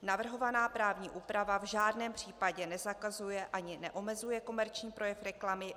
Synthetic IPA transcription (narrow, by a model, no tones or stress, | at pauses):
navr̩ɦo̞vanaːpɾaːvɲiːʔuːpɾavavʒaːdnɛːmpr̝̥iːpaɟɛnɛzakazujɛʔaɲɪnɛʔo̞mɛzujɛko̞mɛɾt͡ʃɲiːpɾo̞jɛfɾɛklamɪ